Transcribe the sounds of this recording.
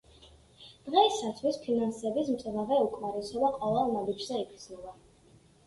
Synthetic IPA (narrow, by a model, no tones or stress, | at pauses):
d̪̥ʁɛsat̪sʰwispʰinansɛbismt̪ʼɛvavɛukʼmaɾisɔbaqʼwɛvɛlˠnabid͡ʒzɛipʰd̪znɔba